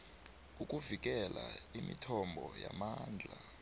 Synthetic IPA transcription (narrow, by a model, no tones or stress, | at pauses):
ukʼuvik̬ɛlaimitʰɔmbʱɔjamaːnd͡ɮʱa